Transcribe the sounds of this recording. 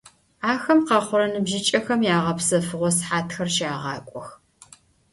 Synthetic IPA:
aːxɐmqɑχʷʊɾɐnɨbʒɪt͡ʃʼɐxɐmjaːʁɐpsɐfɨʁʷɔsħaːtʰxɐrʃaːʁɑːkʷʼɔx

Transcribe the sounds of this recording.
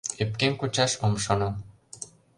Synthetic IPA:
ep̚kemkut͡ɕɑʃomʃono

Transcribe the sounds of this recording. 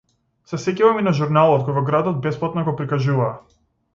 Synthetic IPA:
sasɛcɛvaminaʒuɾnalˠɔt̪kɔjvɔɡɾad̪ɔd̪̚bɛsplˠat̪naɡɔpɾikaʒuvaː

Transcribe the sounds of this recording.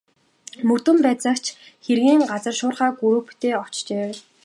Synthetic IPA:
mɵt̪ɘ̆mpæːt͡sə̆kt͡ɕʰxerɣiːŋɢat͡sə̆rʃʊːrχaːɡuɾŭːpt̪eːɔt͡ɕt͡ɕeː

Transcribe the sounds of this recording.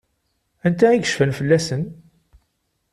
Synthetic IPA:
ænt̪æiɡə̥ʃfənfəlːæsən

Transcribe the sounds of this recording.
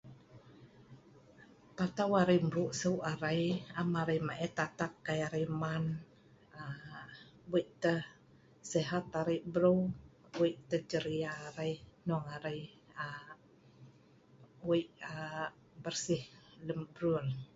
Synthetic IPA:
p̪at̪awaɾajmɾuʔsəwʔaɾajamaɾajmaʔɛt̪at̪akːajaɾəjman | a | buiʔt̪ə | sɛɦat̪aɾəʔbəɾəw | biʔt̪əd͡ʒəɾiaːɾajnuaŋaɾaj | a | wiʔa | bərsɪhləmbɾul

